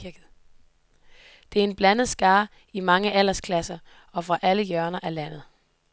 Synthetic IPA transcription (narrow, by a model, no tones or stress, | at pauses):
iɐɡ̥ð̩ˠ | d̥e̝æɐe̝nb̥lænð̞̩ˠsɡ̥ɑ̈ː | imɑ̈ŋəʔæl̰ɐskʰlæsɐ | ɒ̽fʁɑ̈ʔæləjœɐnɐʔælæn̰ð̩ˠ